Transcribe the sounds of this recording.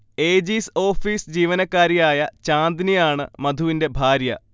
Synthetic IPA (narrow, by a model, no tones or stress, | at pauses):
e̞ːd͡ʑiːso̞ːfiːsd͡ʑiːʋɐnɐkːaːɾijaːjɐt͡ɕaːnd̪niaːɳɨmɐd̪ʱuʋinde̞bʱaːɾjɐ